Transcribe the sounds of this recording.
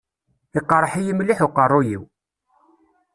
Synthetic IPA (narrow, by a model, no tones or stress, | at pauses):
iqːɾˤəħijimlːiħuqərˤːʊjiw